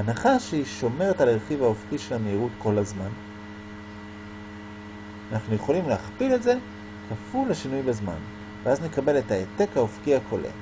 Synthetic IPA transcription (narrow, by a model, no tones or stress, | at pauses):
anaχaʃeiʃo̞me̞ʁetaleʁχivaofkiʃe̞lameiʁutko̞lazman | anaχnuje̞χo̞limleaχpile̞tze̞ | kʰafulaʃinujbazma̰n | veazne̞kabe̞le̞taete̞kaofkihakʰo̞lʔḛ